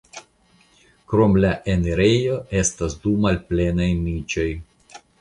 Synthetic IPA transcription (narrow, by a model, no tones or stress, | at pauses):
kɾo̞mlaʔeneɾejo̞e̞stasdumalple̞najnit͡ʃo̞j